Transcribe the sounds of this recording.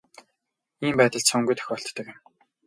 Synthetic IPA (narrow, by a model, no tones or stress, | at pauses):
iːmpæːt̪ə̆ɮsɵŋɡujt̪ʰœ̥xʲɔːɬt̪ːə̆kɪm